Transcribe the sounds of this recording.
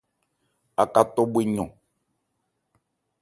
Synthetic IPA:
a˨ka˨t̪ɔ˦bwe˦ɲɔ̰̃˨

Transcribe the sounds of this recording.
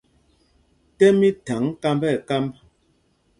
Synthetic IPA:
tɛ˦mi˦ta˨˦ŋka˦mbɛ˦˨ka˦mb

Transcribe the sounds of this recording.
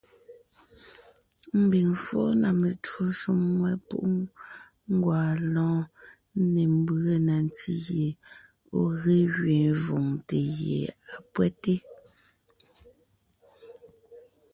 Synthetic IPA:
m̩˦bi˨ŋfo̰˦na˨me˨to˦ʃu˦mŋwɛ˦pṵ˦ʔ | ŋ˦ɡwaː˨lɔ̃ː˦ | ne˨m˦˨bə˦na˨n˨ti˦ɣje˨ | o˨ɣe˦ɣɥẽ˨vo˨ŋte˨jḛ˨a˨pwɛ˦te˦

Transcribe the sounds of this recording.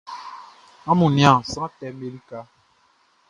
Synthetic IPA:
ã˦mũ˨nĩ˦ã˨sã˦ã˦tɛ˨me˦li˦ka˦

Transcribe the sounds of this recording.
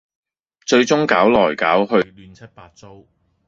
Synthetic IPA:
t͡ʃɵ˧ɥt͡ʃʊ˥ŋkaː˨˥wlɔː˨˩jkaː˨˥wɦɵ˧lyː˨˧nt͡sʰɐ˥t̚paː˧t̚t͡so˥w

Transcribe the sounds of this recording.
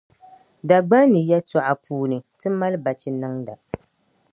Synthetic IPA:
da˨ɡ͡ba˦nɨ˨ja˦tɔ˨ʔa˨puː˨˦nɨ˨tɨ˦ma˦lba˨t͡ʃi˨nɨ˦ŋda˨

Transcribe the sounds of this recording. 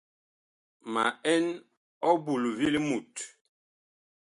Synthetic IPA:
ma̰˨ɛ˦n | ɔ˦bu˨lu˨vi˦li˦mu˨t

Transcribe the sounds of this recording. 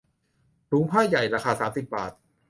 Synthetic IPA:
ɾuː˨˦˥pʰaː˥˩ja˨˩jɾaː˦˧xaː˧saː˩˦msi˨˩p̚ba̰ː˨˩t̪̚

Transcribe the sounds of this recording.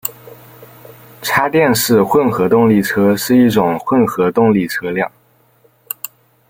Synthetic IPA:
ʈ͡ʂʰa˥t̪jɛ˥˧nʂɻ̩˥˧xwə˥˩nxɤ˧˥t̪ʊ˥˧ŋli˥˩ʈ͡ʂʰɤ˥ʂɻ̩˥˧i˥˩ʈ͡ʂʊ˨˩ŋxwə˥˩nxɤ˧˥t̪ʊ˥˧ŋli˥˩ʈ͡ʂʰɤ˥ljɑ˥˩ŋ

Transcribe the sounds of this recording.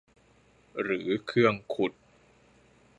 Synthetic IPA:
ɾɯː˩˦kʰɯ˥˩əŋkʰu˨˩t̪̚

